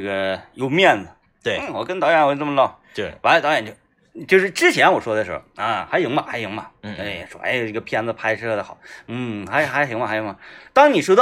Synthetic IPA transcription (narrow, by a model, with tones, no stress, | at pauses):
ɡə˩jo˨˩ʊmjɛ˥˩nd̪ə˩ | t̪we˧˩n̩˥˩wɔ˨˩kə˥nt̪ɑ˧˥ʊjɛ˧˥˧nə˥˩mə˧lɑ˥˩ʊ˥˩ | wa˧˥lt̪ɑ˧˥jɛ˨˩nt͡ɕjo˥˧˩ʊ | t͡ɕjo˥˧ʊʂɻ̩˥˩ʈ͡ʂɻ̩˥t͡ɕʰjɛ˧˥nwɔ˨˩ʂwɔ˥d̪ə˨˧ʂɻ̩̰˧˥˩xʊ˨˩a˧xa˧˥jʊ˧˥ŋmɐ˧˨˩xa˧˥ɪjʊ˧˥ŋmɐ˨˩e˥˩jɛ̰˨˩ʂwɔ̰˥ʔḛ˧˩ɪ˧˩i˥˩ɡə˩pʰi˧˥˧nd̪ə˧pʰa˥ɪʈ͡ʂʰɤ˥˧d̪ə˩xɑ˨˩˦n̩˥˩xa˧˥ɪxa˧˥ɪɕm˧a˧˥ɪjʊ˧˥mɐ˧˩t̪ɑ˥ŋni˨˩ʂwɔ˥d̪ɑ˥˧